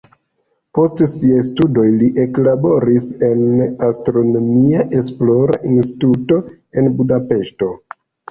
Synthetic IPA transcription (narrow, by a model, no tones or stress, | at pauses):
po̞stsiajstudo̞jliʔe̞klabo̞ɾise̞nastɾo̞no̞miaʔe̞splo̞ɾa̰ʔinsti̥tuto̞ | e̞nbudape̞ʃto̞